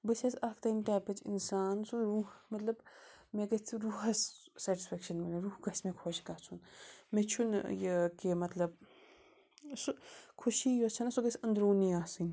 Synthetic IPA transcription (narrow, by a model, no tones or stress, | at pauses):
bɐsʰɐsɐkt̪ɐmʈaːpɐt͡ʃḭnsaːnsuɾuːmɐt̪lɐbmeɡɐst͡sʰiɾuɦɐssɛːʈi̥sfekʃɐnmɐneɾuːhɡɐsmẽkʰoːʃkɐt͡sʰunmet͡ʃʰunjɐkemɐt̪lɐb̚ | sukʰuʃijot͡ʃʰɐnɐsuɡɐsʲɐnd̪ɾuːniaːsɨn